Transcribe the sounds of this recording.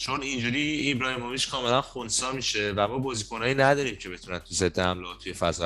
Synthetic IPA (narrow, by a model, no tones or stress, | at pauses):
t͡ʃʰonind͡ʒuɾiːibɾɒːjemomiʃkʰɒːme̞lænxonsɒːmiːʃevæmɒːbɒːzikʰonɒːjiːnæd̪ɒːɾiːmcʰe̞be̞t̪ʰunænt̪ʰuzed̪ːeæ̰mloːt̪ʰːuje̞fæ̰zɒ